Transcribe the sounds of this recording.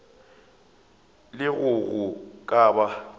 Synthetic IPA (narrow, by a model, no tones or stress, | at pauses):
lɪɣʊɣʊkʼaːba